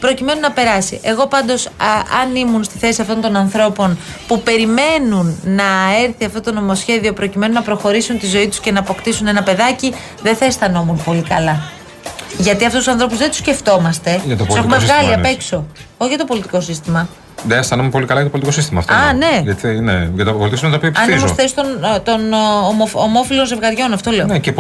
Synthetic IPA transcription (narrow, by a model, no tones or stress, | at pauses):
pɾo̞cime̞nunɐpe̞ɾɐsḭʔe̞ɣo̞pɐnd̪o̞sɐnimunst̪iθe̞siɐft̪o̞nt̪o̞nɐnθɾo̞po̞n | pupe̞ɾime̞nunːɐe̞ɾθiɐft̪o̞t̪o̞no̞mo̞sçe̞ðio̞pɾo̞cime̞nunɐpɾo̞xo̞ɾisunt̪izo̞it̪u̥sce̞nɐːpo̞kt̪isune̞nɐpe̞ðɐci | ðeθɐest̪ɐno̞munpo̞likɐlɐ | ʝɐt̪iɐft̪ust̪usɐnθɾo̞puzðet̪u̥sce̞ft̪o̞mɐst̪e̞ʝɐt̪ouse̞xumeɣɐliɐpe̞ksooçiʝɐt̪o̞po̞lit̪i̥ko̞sist̪imɐ | ðeest̪ɐnomepo̞likɐlɐjɐt̪opolt̪iko̞sist̪imɐ̰ft̪oɐne̞ʝɐt̪neʝɐt̪opolt̪kosimɐt̪ɐopiɐpiɐsnzosθest̪ont̪o̞nomoomo̞filo̞nzevɣɐɾʝo̞nɐft̪ole̞oneep